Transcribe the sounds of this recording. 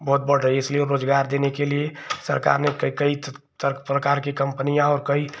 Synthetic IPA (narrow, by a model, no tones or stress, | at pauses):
bəɦʊt̪̚bəɽ̤ɾəɦiɪslieɾoːd͡ʒɡaɾd̪enekeliesə̰ɾka̰ɾnekkəi | t̪pɾəkaːɾkekə̃mpənijãɔːɾkəi